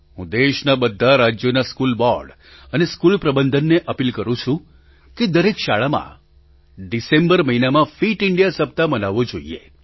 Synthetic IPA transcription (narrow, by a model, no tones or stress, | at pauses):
ɦũd̪eʃnabəd̪ʱːaɾad͡ʒjonaskulbɔɾɖ | əneskulpɾəbənd̪ʱənːeʔəpilkəɾũt͡ʃʰũ | ked̪əɾekʃaɭamã̰ | ɖisembəɾməɦinamãfiʈɪɳɖijasəp̚t̪amənaʋod͡ʒoḭḛ